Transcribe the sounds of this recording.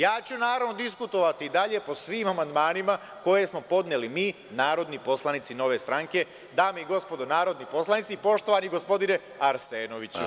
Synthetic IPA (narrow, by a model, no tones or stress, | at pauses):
jaːt͡ɕunaːɾaʋno̞d̪iskut̪o̞ʋat̪iːd̪aʎe̞po̞sʋiːmamand̪maːnima | ko̞je̞smo̞po̞d̪nelimiː | naːɾo̞d̪nipo̞slˠanit̪sino̞ʋe̞ːst̪ɾaŋke̞ | d̪aːmeiɡo̞spo̞d̪onaːɾo̞d̪nipo̞slanit̪sipo̞ʃt̪oʋaniɡo̞spo̞d̪ine̞ | aɾseːno̞ʋit͡ɕṵ